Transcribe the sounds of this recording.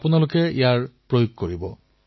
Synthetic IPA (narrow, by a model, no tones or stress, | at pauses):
punalʊkɛḭjaɹpɹojoɡ̚koɹibɔ